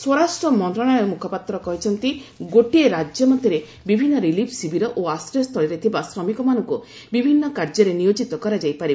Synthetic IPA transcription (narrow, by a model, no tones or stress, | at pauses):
swoɾasʈɾɔmɔnt̪ɾɔɽ̃aɾemukʰɔpat̪ɾɔkɔɦit͡ʃʰɔnt̪iɡoʈieɾad͡ʒjɔmɔt̪iɾe | bibʱinːɔɾilipʰsibiɾɔʔoast̪ɾɔst̪ʰɔɭɾet̪ʰibasɾɔmikɔmanɔŋku | bibʱinːɔkaɾd͡ʒɔɾenijod͡ʒit̪ɔkɔɾad͡ʒajpaɾi